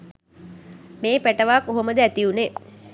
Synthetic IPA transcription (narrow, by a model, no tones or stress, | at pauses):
meːpæʈəʋaːkːoɦoməd̪əæt̪iune